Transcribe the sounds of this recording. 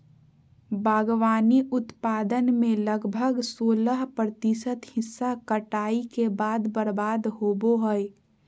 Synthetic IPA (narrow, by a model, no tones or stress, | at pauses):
bʱaːɡʋaːniʔʊt̪paːd̪ənmẽləɡbʱəɡsoːləɦpɾət̪ɪsət̪hɪsːakəʈaːikebaːd̪bəɾbaːd̪ɦoːboɦəe